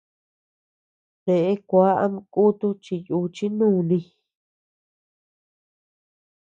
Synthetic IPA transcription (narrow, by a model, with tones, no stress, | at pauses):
t̪e˨ʔe˦kʷa˦ʔa̰˦m̃˧ku˦t̪u˦t͡ʃi˧ju˧t͡ʃi˦nũː˦˨nĩ˧